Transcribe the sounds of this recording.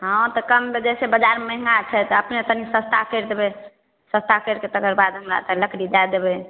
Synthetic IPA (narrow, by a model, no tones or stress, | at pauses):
ɦə̃t̪ɔkəmːed͡ʒɛsebəd͡ʒaɾməɦŋɡat͡ʃʰɛt̪əpnet̪ənisə̃st̪ʰakəɾd̪ebɛ | sə̃st̪ʰakəɾket̪əkəɾbad̪ɦəmɾa̰t͡ʃɛləkɾid͡ʒajd̪ebɛ